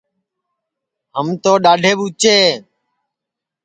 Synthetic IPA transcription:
ɦəmt̪oːɗaːɖʱeːɓut͡ʃeː

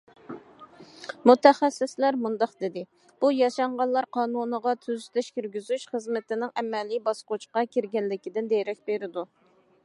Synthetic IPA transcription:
mut̪ʰɛχæsːɪslæɾmund̪ɑqd̪ɪd̪ɪ | b̥ujɑʃɑɴʁɑnlˠɑɾqʰɑːnunəʁɑt̪ʰyzt̪ʰɛʃkʲyɾɡʲyzyʃχəzmɪt̪ɪnɪŋɛmɛlibɑsqot͡ʃqɑkʲʰiɾɡʲɛnlɪkʲid̪ɪnd̪ejɾɛk̚ʲbeɾɪd̪u

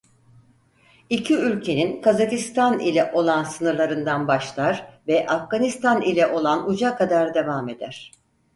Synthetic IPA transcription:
icʰiylʲcʰe̞ninkʰazakist̪anḭlʲɛʔo̞lˠansɯnɯɾlˠaɾɯnd̪anbaʃlˠaɾvɛʔafɡanist̪ʰanilʲɛʔo̞lˠanud͡ʒakad̪aɾd̪e̞vame̞d̪æ̰ɾ̝̥

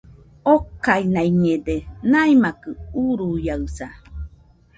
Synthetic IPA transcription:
okainaiɲedenaimakɯuɾujaɨsa

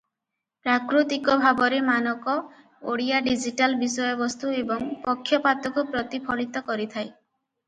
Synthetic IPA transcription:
pɾakɾut̪ikɔbʱabɔɾemanɔkɔ | o̰ɽijaɖid͡ʒiʈalbisɔjɔbɔst̪uebɔŋpɔkʰːjɔpat̪ɔkupɾɔt̪ipʰɔɭit̪ɔkɔɾit̪ʰaj

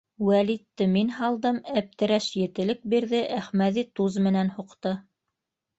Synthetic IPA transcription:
wælit̪ːɘminɦɑlˠd̪ɤmæp̚t̪ɘ̆ɾæʃjɘ̆t̪ɘ̆lɘk̚biɾðɘʔæχmæðit̪uzmɘ̆nænhuqt̪ɤ

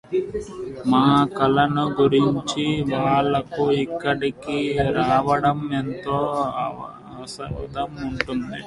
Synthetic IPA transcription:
maːɐkɐlɐnuɡuɾiɲt͡ʃiʋaːɭːɐkuikːɐʈikiɾaːʋɐɽɐme̞nt̪oː | ɐsɐd̪ɐmuɳʈund̪i

